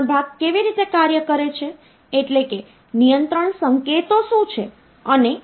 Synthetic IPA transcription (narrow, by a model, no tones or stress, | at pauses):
bʱaɡ̚keʋiɾit̪ekaɾjəkəɾet͡ʃʰeː | ʈleke | nijənt̪ɾəɳsəŋket̪oʃũt͡ʃʰe | əne